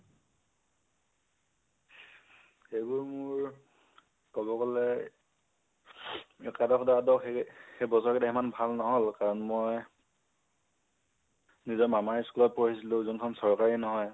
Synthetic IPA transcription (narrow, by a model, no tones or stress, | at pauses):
xejbʊɹmʊɹ | kɔbɔkɔlɛ | ɛkadɔkʰɔdaadɔxejbɔsɔɹkɛtʰaimanbʱalnɔɦɔlkaɹɔnmɔj | nizɔɹmamaskulɔt̚pɔɹisilʊ̃zɔnkʰɔnsɔɹkaɹinɔɦɔj